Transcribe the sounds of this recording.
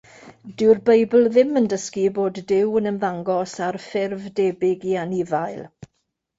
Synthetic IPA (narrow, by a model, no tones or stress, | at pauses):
d̥ɪwrbejbl̩ˠðɪməndəskiboːdːɪwənənvaŋɡɔsarfɪrvdeːbɪɡianivajlˠ